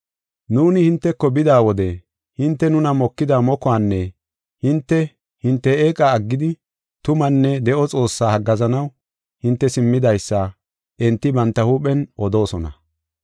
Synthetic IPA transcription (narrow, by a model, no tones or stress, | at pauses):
nuːnɪhɪnt̪ːɛkːɔbɪd̪aːwɔd̪ɛ | hɪnt̪ːɛnʊnɐmɔkːɪd̪aːmɔkɔaːnːɛ | hɪnt̪ːɛ | hɪnt̪ːɛeːkʼaːɡːɪd̪ɪ | t̪ʊmɐnːɛd̪ɛʔɔt͡sʼo̞ːsːaːhɐɡːɐzɐnɐw | hɪnt̪ːɛsɪmːɪd̪ɐjsːɐ | ʔɛnt̪ːɪbɐnt̪ːɐhuːpʼɛnʔɔd̪o̞ːsɔnɐ̰